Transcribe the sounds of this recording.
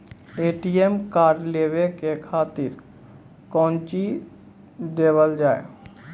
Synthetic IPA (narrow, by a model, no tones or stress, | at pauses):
eːʈiemkaːɾleːʋekekʰaːt̪ɪɾ | kɔ̃ːnt͡ʃi | d̪eːʋəld͡ʒaːḛ